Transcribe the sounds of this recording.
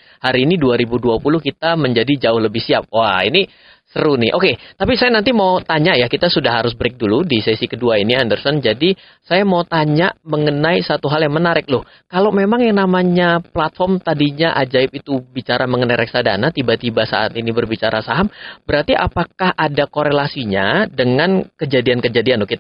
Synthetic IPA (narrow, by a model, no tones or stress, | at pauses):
haɾiːniduaɾibuduapulʊhkit̪aməɲd͡ʒadid͡ʒaʊhləbɪhsiap̚waini | səɾunɪʔoket̪apisajanant̪imaʊt̪aɲaʔjakit̪asudahɦaɾʊsbəɾɪk̚duludisesikəduainiandərsɔnd͡ʒadi | sajamaut̪aɲaʔməŋənaisat̪uɦaljaŋmənaɾɪk̚lʊh | kalomemaŋjaŋnamaɲaplat̪̚fɔrmt̪adiɲaʔad͡ʒaɪp̚it̪ubit͡ʃaɾaməŋənajɾʔɛk̚sada̰nat̪ibat̪ibasa̰ʔa̰t̪inibərbit͡ʃaɾasaɦamb̥əɾart̪iʔa̰pakahadakoɾelasiɲadəŋankəd͡ʒadiankəd͡ʒadianlʊhkit̪a